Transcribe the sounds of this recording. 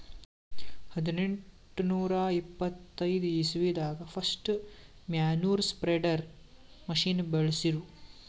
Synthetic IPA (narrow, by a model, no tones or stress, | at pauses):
hɐd̪ineɳʈunuːɾɐipːɐt̪ːɐjd̪uisiʋid̪aːɡɐpʰɐsʈmjaːnuːɾspɾeɖɐɾ | mɐʂiːnbeɭɐsiɾu